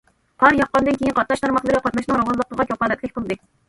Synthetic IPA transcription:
qʰɑɾjɑqːɑnd̪ɨnkʲejinqʰɑt̪̚nɑʃt̪ʰɑɾmɑχlˠɨɾqʰɑt̪nɑʃnɨŋɾɑwɑnlˠəq̚əʁɑkʰʲɑpɑlɛt̪ʰʲɛkʲpəlˠɨd̪ɨ

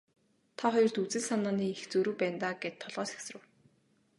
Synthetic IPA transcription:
t̪ʰaχɔjɞ̆rt̪ut͡sɘ̆ɮsanaːniːext͡sɵɾɵ̆wpæːnt̪aːɡet̪ʰːɔɮʁɔːse̥ksrɘ̆w

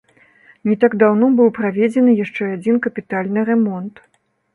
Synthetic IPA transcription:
nʲit̪aɡd̪awnɔbɨwpɾavʲed͡zʲɛnɨjaʂt͡ʂɛad͡zʲinkɐpʲit̪alʲnɨɾɛmɔnt̪

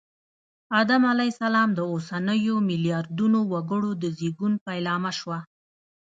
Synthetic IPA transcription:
ɑd̪amalajsalɑmd̪əosanəjomɪljɑɾd̪unowaɡəɽod̪əziɡunpajlɑmaʃwa

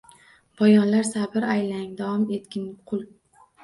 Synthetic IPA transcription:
b̥ɒjɒnlaɾsabɪɾajlaŋd̪avɒmet̪kʲɪnqʰʊlˠ

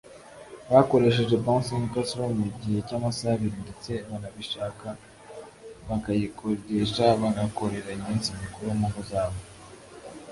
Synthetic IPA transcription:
βako̞ɾe̞ʃ̬e̞ʒe̞bãnsinukasɾomuɟihe̞caːmasaβiɾindet͡se̞βanaβiʃaːka | βakajikodeʃaβaɡako̞ɾe̞ɾaimiːnsimikuɾomuŋɡuzaːβo

